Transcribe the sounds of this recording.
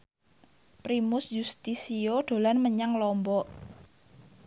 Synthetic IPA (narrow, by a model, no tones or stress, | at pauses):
pɾimʊsjust̪isioɖ̪̥o̤lanməɲaŋlɔmbɔʔ